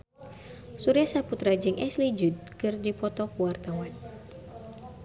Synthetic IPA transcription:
suɾiasaput̪ɾad͡ʒɨŋʔɛslid͡ʒud̚kɨrdipɔt̪ɔkuwart̪awan

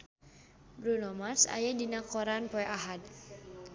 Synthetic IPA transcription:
bɾunɔmasa̰jadinakɔɾanpɔɛʔaɦad̪̚

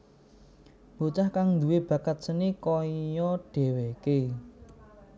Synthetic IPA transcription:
bot͡ʃahkaŋnd̪uweb̥ä̤kət̪̚sənikɔjɔɖ̥ɛ̤weke

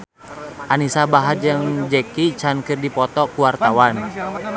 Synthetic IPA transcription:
ʔanisabaɦad͡ʒəŋd͡ʒɛkit͡ʃankɨrdipɔt̪ɔkuwart̪awan

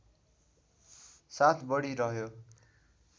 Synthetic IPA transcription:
sat̪ʰbʌɽiɾʌɦjo

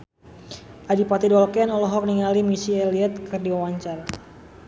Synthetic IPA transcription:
ʔadipat̪idɔlkɛnɔlɔɦɔk̚niŋalimisiɛliɛt̪̚kɨrdiwawaɲt͡ʃar

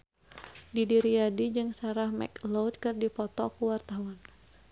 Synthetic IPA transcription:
didiɾiadid͡ʒɨŋsaɾahmɛ̰klowt̪̚kɨrdipɔt̪ɔkuwart̪awan

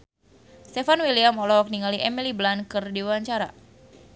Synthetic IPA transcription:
st̪ɛfanwiliamɔlɔwak̚niŋaliʔɛmiliblankɨrdiwaɲt͡ʃaɾa̰

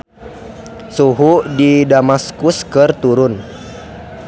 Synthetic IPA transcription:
suɦudidamaskuskɨrt̪uɾʊn

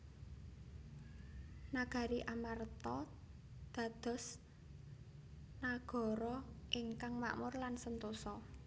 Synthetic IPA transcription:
naɡ̥ä̤ɾiʔamart̪ɔ | d̪̥a̤d̪̥ɔ̤s | naɡ̥ɔ̤ɾɔʔɪŋkaŋma̰ʔmʊrlansənt̪usɔ

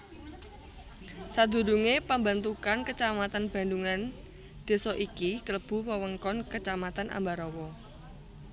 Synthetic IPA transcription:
sad̪ṳɾuŋepamba̤nt̪ukankət͡ʃamat̪anb̥a̤nduŋan | d̪̥e̤sɔʔikikələb̥ṳwəwəŋkɔnkət͡ʃamat̪anʔa̰mbaɾɔwɔ

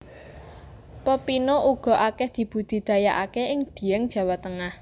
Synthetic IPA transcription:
pəpinoʔuɡ̥ɔ̤ʔakɛhd̪̥i̤b̥ṳd̪̥i̤d̪̥ä̤jaʔakeʔɪŋd̪̥i̤ɛŋd̥ʒ̥ä̤wat̪əŋah

